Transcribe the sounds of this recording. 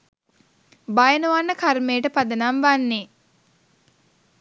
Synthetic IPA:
bajənuʋanːəkarmejːʈəpad̪ənamʋanːe

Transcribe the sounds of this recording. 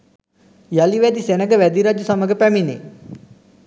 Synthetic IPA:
jaliʋæd̪isenəɡəʋæd̪iɾad͡ʒusaməɡəpæminḛ

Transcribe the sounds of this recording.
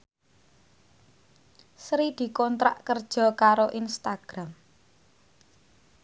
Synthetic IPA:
sɾid̪̥i̤kɔnt̪ɾa̰ʔkərd̥ʒ̥ɔ̤kaɾoʔinst̪aɡ̥ɾam

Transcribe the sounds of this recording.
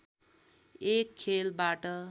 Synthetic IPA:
ekʰːelbaʈʌ

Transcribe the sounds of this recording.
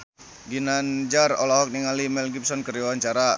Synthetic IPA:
ɡinand͡ʒarɔ̰lɔɦɔk̚niŋalimɛlɡip̚sɔnkərjawaɲt͡ʃaɾa

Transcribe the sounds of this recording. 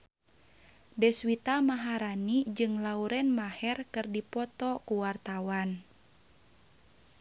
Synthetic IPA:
dɛswit̪amaɦaɾanid͡ʒɨŋlauɾɛnmahɛrkɨrdipɔt̪ɔkuwart̪awan

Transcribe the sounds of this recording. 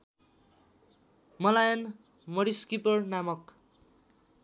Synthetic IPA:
mʌlajʌn | mʌɾiskipʌrnamʌk

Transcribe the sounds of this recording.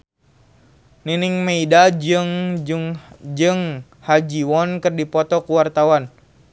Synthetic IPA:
niniŋmeidad͡ʒɨŋ | d͡ʒɨŋ | had͡ʒiwɔnkɨrdipɔt̪ɔkuwart̪awan

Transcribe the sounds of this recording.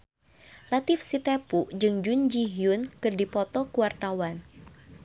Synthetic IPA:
lat̪ɪfsit̪epuʔd͡ʒɨŋd͡ʒund͡ʒiɦjʊnkɨrdipɔt̪ɔkuwart̪awan

